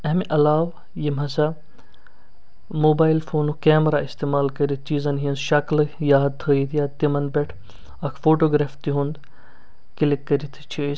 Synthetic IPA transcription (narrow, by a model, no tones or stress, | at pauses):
ɐmiʔɐlaːʋ | jimɐsa | moːbaːilfʰoːnukeːmɾaist̪eːmaːlkɐɾit̪̚ʰt͡ʃiːzɐnɦĩnʃɐkljaːd̪̚t̪ʰəːit̪ʰjat̪imɐnbɛʈʰ | ɐkʰfoːʈoːɡɾeːft̪iɦũnd̪ | kilikːɐɾit̪ʰt͡ʃʰi